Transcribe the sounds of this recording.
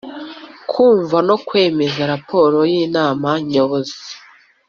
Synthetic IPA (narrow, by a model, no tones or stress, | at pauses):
kʰuːɱvano̞kwe̞ːme̞zaɾapʰo̞ːɾo̞jiːnaːmaɲoβozi